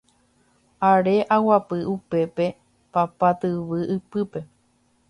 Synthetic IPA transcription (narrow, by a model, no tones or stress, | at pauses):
aɾe̞ʔawapɨupe̞pe̞ | papat̪ɨʋɨʔɨpɨpe̞